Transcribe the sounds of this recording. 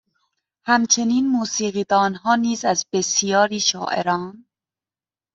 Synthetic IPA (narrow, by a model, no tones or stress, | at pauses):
hæmt͡ʃʰe̞niːnmuːsiːɣiːd̪ɒːnɦɒːniːzæzbesijɒːɾiːʃɒːʔḛɾɒːn